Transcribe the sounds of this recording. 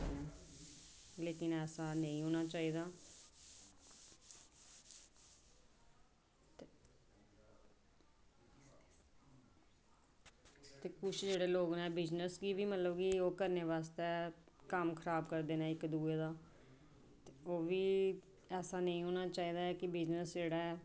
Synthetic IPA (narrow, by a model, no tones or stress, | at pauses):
ɛː | leːkɪnɛːsaːnə̃ĩːɦoːnaːt͡ʃaːiːd̪aː | t̪eːkʊt͡ʃʰd͡ʒeːɽeːloːɡnaɛːbɪd͡ʒnəsɡiːʋiːmət̪ləbɡiːoːkəɾneːʋaːst̪eːkəmkʰəɾaːbkəɾd̪eːnaːɪkd̪uːeːd̪aː | t̪ːoːʋiː | ɛːsaːnəĩːɦoːnaːt͡ʃaːiːd̪aːɛkɪbɪd͡ʒnəsd͡ʒeːɽaːɛː